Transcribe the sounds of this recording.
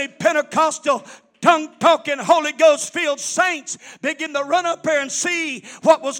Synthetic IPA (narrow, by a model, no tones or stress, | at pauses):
ipʰɛ̃ɾ̃ɨkʰɑstl̩ˠ | tʰʌ̃ŋtʰɔkɨ̃nɦoʊlˠiɡoʊstfilˠdsẽɪ̃ntsb̥ɨɡɪ̃ntəɹʌ̃nʌp̚ðə˞ɨ̃nsiwʌt̚wʌz